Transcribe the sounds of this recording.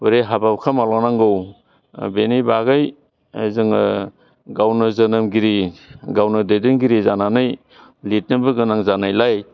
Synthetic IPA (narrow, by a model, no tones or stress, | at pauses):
wuɾejɦabawkʰamalɔŋnaŋɡɯw | benijbaɡaj | zɯŋ | ɡawnɯzɐnɯmɡiɾiɡawnɯdedenɡiɾizananɯj | lit̚nɯbɯɡɯnaŋzanajlaj